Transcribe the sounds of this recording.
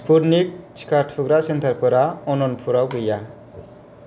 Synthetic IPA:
spuɾnik̚t͡ʃi̥kaɾʈʰpʰuɡɾasent̪ʰaɾpʰɯɾaɔnɔnpʰuɾawɡɯja

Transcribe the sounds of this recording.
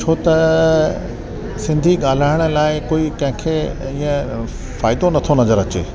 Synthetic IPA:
t͡ʃʰoːt̪ɐ | sɪ̃nd̪ʱiɠaːl̤aːɪɽ̃ə̆laːɪkoːikɐ̃ɦɪ̃kʰeː | iːə̃ | faːɪd̪onɐt̪ʰonɐzəɾɐt͡ɕḛː

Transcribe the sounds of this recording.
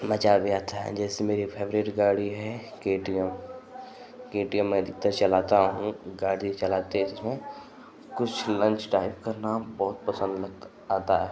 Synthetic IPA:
mət͡ʃaːʋjaːt̪ʰaɦɛ̰d͡ʒɛːsemeːɾipʰeːʋɾeːʈɡaːɽiɦɛkeːʈijəm | keːʈijəmːɛ̃d̪ɪk̚t̪əɾt͡ʃɐlaːt̪aɦũɡaːɽit͡ʃɐlaːt̪eɪsmẽ | kʊt͡ʃʰlə̃ɲt͡ʃʈaːɪpkɐnaːmbɔːʊt̪̚pəsə̃nd̪ləɡ | aːt̪aɦɛː

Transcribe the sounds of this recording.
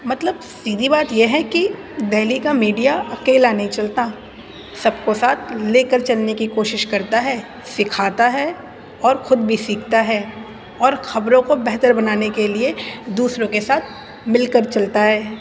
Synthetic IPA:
mɐt̪ləb | siːd̪ʱibaːt̪jeɦɛ̃ki | d̪ɛːlikamiːɖijaɐkeːlanɐɦĩt͡ʃɐlt̪a | sɐbkosaːt̪ʰleːkəɾt͡ʃɐlnekikoːʃɪʃkɐɾt̪aɦɛː | sɪkʰaːt̪aɦɛ | ɔːɾxʊd̪̚bʱisiːk̚ʰt̪aɦɛː | ɔːɾxɐbɾõkobɛɦt̪əɾbɐnaːnekelied̪uːsɾõkesaːt̪ʰ | mɪlkəɾt͡ʃɐlt̪aɦɛː

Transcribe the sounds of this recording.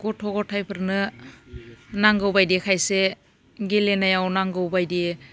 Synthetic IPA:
ɡɔtʰɔɡɔtʰajpʰɯɾnɯ | naŋɡɯwbajdekʰajse | ɡelenajawnaŋɡɯwbajde

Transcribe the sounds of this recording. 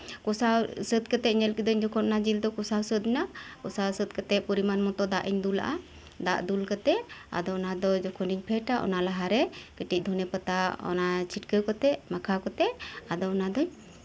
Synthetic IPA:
kɔsawsət̪̚kət̪ɛʔɲɛlkid̪ɔɲd͡ʒɔkʰɔt̪̚nad͡ʒild̪ɔkɔsawsət̪̚nakɔsawsət̪̚kət̪ɛpɔɾimanmɔt̪ɔd̪aʔiɲd̪ula̰ʔa̰ | d̪aʔd̪ulkət̪ɛʔa̰d̪ɔɔnad̪ɔd͡ʒɔkʰɔniɲpʰɛʈaʔɔ̰nalaɦaɾɛkəʈic̚d̪ʱɔnɛpət̪aɔ̰nat͡ʃʰiʈkəkɔt̪ɛʔmakʰakɔt̪ɛʔad̪ɔɔnad̪ɔɲ

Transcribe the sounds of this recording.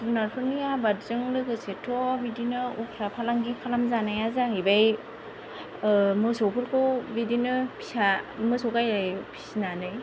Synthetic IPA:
sunaɾpʰɯnijabatzɯŋlɯɡɯsetʰɔbidinɯukʰɾapʰalaŋɡipʰalamzanajazaɦɯjbaj | mɯsopʰɯɾkʰobidinɯpʰi̥samɯsokajɾajpʰi̥sinanɯj

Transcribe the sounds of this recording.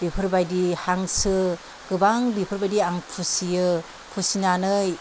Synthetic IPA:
bipʰɯɾbajdihaŋsɯ | ɡ̥ɯbaŋbipʰɯɾbajdiaŋpʰusijɯ | pʰusinanɯj

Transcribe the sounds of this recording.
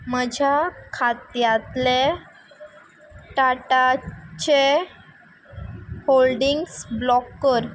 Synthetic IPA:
məd͡ʑʱjakʰat̪jat̪le | ʈaʈat͡ɕe | holɖiŋɡsblɔkːəɾ

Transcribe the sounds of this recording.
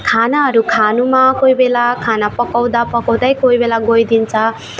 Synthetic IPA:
kʰanaɦʌɾukʰanumakojbelakʰanapʌkaw̃d̪apʌkʌw̃d̪ʌjkoibelaɡojd̪int͡sʰʌ

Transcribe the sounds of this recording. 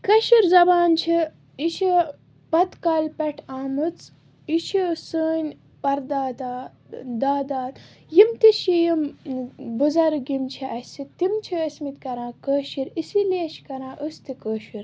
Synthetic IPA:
kɐʃiɾzɐbaːnt͡ʃʰi | iʃi | pɐt̪kaːlʲpɐʈʰaːmɨt͡s | iʃisəːnʲ | pɐɾd̪aːd̪aː | d̪aːd̪aːt̪ | jimt̪iʃijim | buzɐɾɡimt͡ʃʰiʔɐsit̪imt͡ʃʰiɐsmit̪kɐɾãːkəːʃiɾisileːʃkɐɾãːʔəst̪ikəːʃiɾ

